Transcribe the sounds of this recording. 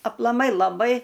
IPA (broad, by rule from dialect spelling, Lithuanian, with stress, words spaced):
ɐplˠɐˈmɐɪ lˠɐˈbɐɪ